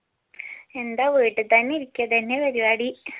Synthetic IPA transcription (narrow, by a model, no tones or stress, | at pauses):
e̞nd̪aːʋiːʈːɨt̪ɐnːiɾikʲːɐt̪ɐnːepɐɾiaːɽi